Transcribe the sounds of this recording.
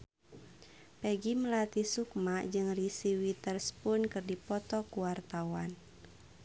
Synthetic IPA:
pɛɡiməlat̪isuk̚mad͡ʒɨŋrisiwit̪ərspʊnkɨrdipɔt̪ɔkuwart̪awan

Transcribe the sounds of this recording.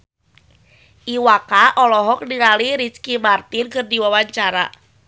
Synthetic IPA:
ʔiwakaʔɔlɔɦɔk̚niŋaliɾit͡ʃkimart̪ɪnkɨrdiwawaɲt͡ʃaɾa̰

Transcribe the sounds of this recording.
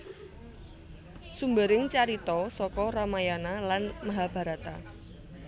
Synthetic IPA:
sumbəɾɪŋt͡ʃaɾit̪ɔsɔkɔramajanalanmaɦab̥a̤ɾat̪a̰

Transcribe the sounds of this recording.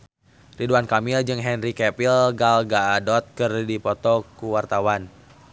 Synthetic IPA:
riduankamild͡ʒɨŋɦɛnrikɛpilɡalɡaːdɔt̪̚kɨrdipɔt̪ɔkuwart̪awan

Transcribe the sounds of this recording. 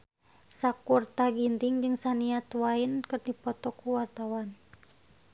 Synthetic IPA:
sakurt̪aɡint̪iŋd͡ʒɨŋsaniat̪wainkɨrdipɔt̪ɔkuwart̪awan

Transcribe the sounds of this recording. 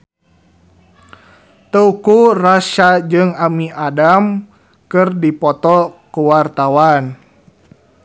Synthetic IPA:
t̪əukuraʃad͡ʒɨŋamiadam | kɨrdipɔt̪ɔkuwart̪awan

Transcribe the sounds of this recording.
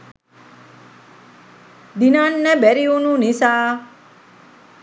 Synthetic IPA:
d̪inaːnːebeɾiununisaː

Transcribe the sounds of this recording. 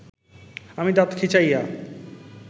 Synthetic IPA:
amid̪at̪kʰit͡ɕaja

